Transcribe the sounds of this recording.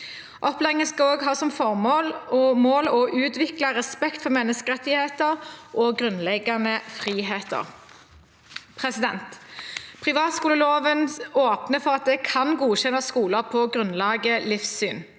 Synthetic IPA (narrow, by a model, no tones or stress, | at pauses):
ʔɔplɛɪŋənskɑoːɡɦɑːsɔmfɔʁmoːlɔmoːlɔʔʉːt̪ʋɪklɑʁɛspɛkt̪fɔʁmɛnːəskəʁɛt̪ːɪheːt̪əʁʔɔɡʁʉnlɛɡɑnəfʁiːɦeːt̪ə̰ʁ | pʰʁɛsɪd̪ɛnt̪pʰʁɪʋɑːt̪skuːləloːʋənoːpnəfɔʁɑt̪̚d̪ɛkʰɑnɡuːçɛnːɑskuːləʁpʰɔɡʁʉnlɑːɡəlɪfsyːn